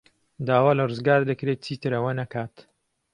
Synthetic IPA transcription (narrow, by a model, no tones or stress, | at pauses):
d̪aːwaːlɐrɨzɡaːɾd̪ɨkɾet̪̚t͡sʰiːt̪ɨɾɐwɐnɐkaːt̪